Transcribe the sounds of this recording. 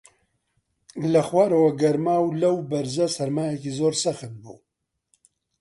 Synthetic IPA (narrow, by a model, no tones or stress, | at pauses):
lɐxwaːɾɐwɐɡɐɾmaːwlɐwbɐɾzɐsɐɾmaːjɛkizoːɾsɐxɨt̪̚bṵː